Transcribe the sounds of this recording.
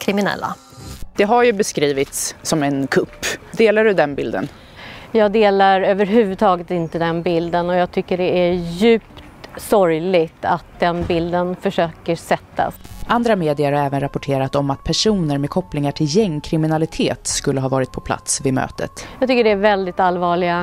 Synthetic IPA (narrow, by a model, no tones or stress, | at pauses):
kʰɾɪmɪnɛ̰lːa̰ | d̪̥ɛɦaɾjɵbɛskɾiːvɪt̪ssɔmɛnkʰɵpːd̪eːlaɖɵd̪ɛnbɪld̪ə̰n | jɑːɡd̪eːlaɾøːvəɾɦʉ̟ːvɵd̪̚t̪ʰɑːɡət̪ɪnt̪əd̪ɛnbɪld̪ənɔjɑːɡ̚t̪ʰʏkːəɖɛæjʉ̟ːpt̪sɔɾjlɪɡt̪at̪̚d̪ɛnbɪld̪ənfœʂøːkəsɛt̪ʰːa̰sʔand̪ɾameːd̪ɪəɾhaɛːvənɾapɔʈʰeːɾat̪ɔmat̪̚pʰæʂuːnəɾmɛd̪̚kʰɔplɪŋaʈʰɪljɛŋːkʰɾɪmɪnalɪt̪ʰeːt̪skɵlːəɦɑːvɑːɾɪt̪̚pʰɔ̥pʰla̰t̪svɪmø̰ːt̪ʰə̰t̪jɑːɡt̪ʏkːəɖɛæɾvɛld̪ɪt̪alvɑːɭɪɡa